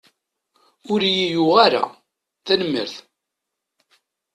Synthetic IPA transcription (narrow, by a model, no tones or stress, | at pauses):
ʊɾijijuʁaɾa̰ | θænəmːə̰ɾθ